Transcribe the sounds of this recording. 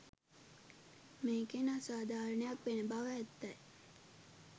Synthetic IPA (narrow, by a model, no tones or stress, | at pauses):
meːkenasaːd̪ʱaːɾənəjakʋenəbaʋːt̪ːaj